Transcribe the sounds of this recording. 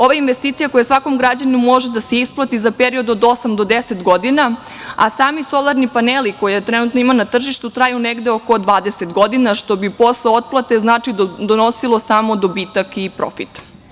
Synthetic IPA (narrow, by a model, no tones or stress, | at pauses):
o̞ʋainʋest̪iːt̪sijako̞jasʋako̞mɡɾad͡ʑaninumːo̞ʒed̪ase̞isplˠat̪izapeɾiod̪od̪o̞samd̪o̞d̪ese̞t̪ɡo̞d̪ina | a̰saːmiso̞lˠaɾnipaneliko̞jet̪ɾenut̪noimanat̪r̩ʒiʃt̪ut̪ɾaːjuneɡd̪eo̞ko̞d̪ʋaːd̪eset̪ɡo̞d̪inaʃt̪o̞bipo̞sleo̞t̪̚plˠat̪e̞znaːt͡ʂid̪ono̞silˠo̞saːmo̞d̪o̞biːt̪akipɾo̰fit̪